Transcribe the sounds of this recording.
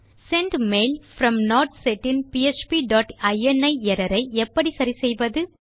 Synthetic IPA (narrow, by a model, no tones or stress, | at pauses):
sɛɳɖmeːlfɾɐmnoːɾʈseʈɪnpiet͡ʃpiɖaːʈɐɪɛnɐɪɛɾɐɾɐɪɛpːɐɽisɐɾisɛjʋɐðɯ